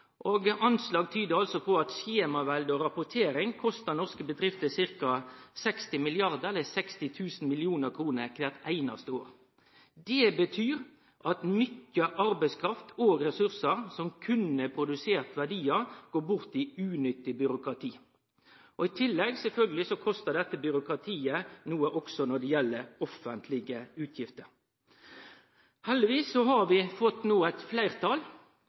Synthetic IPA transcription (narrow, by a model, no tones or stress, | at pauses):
ʔoːɡɑnslɑːɡ̚t̪ʰyːd̪əɾɑlsɔpʰɔɑt̪ʃeːmɑʋæld̪ɔɾɑpʊt̪ʰeːɾɪŋkʰɔst̪ənɔʁskəbəd̪ɾɪft̪əsɪɾkɑsɛkst̪ɪmɪlɪɑʁd̪əɛlːəsɛkst̪ɪt̪ʰʉːsn̩mɪlɪuːnəɾkʰɾuːnəkʰʋæːʁt̪æɪnɑ̰st̪əo̰ːɾ | d̪ɛbət̪ʰyːɾ | ʔɑt̪nʏt̪ːjəʔɑɾbɛɪskʰɾɑft̪ʰoːɡɾɛsʉɾsəɾsɔmkʰʉnəpʰɾʊd̪ʉseːʁt̪ʋæʁɖiːəɡ̥oːbʊɾt̪ɪʉːnʏt̪ːɪbʏɾʊkɾɑt̪ʰiː | ʔɔɪt̪ʰɪlːɛɡsɛlfœlɡəlɪsɔkʰɔst̪əd̪ɛt̪ːəbʏɾʊkɾɑt̪ʰiːənuːəʔɔksɔnɔd̪ɛjɛlːəɾɔfənt̪ʰlɪɡəʉːt̪ʰjɪft̪əɾ | hɛlːɪʋiːsːɔhɑɾʋɪfɔt̪ːnoːæɪt̪flæɪʁt̪ʰɑl